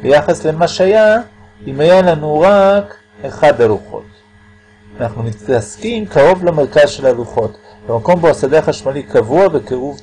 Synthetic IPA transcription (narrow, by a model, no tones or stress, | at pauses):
bejaχasle̞maʃeaja | imajalanuʁak | eχad̪aluχo̞̰t̪ | anaχnunittaskimkaʁo̞vlameʁkazʃe̞laluχo̞t̪ | bemako̞mboasad̪eaχaʃmalikavuabekeʁuv